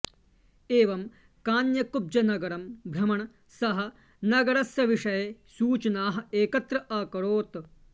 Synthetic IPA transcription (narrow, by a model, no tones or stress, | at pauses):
eːʋɐm | kaːnjɐkub̚d͡ʒɐnɐɡɐɾɐmbʱɾɐmɐɳɐ | sɐɦɐ̆ | nɐɡɐɾɐsjɐʋiʂɐjɐsuːt͡ʃɐnaːɦɐ̆eːkɐt̪ɾɐʔaːkɐɾoːt̪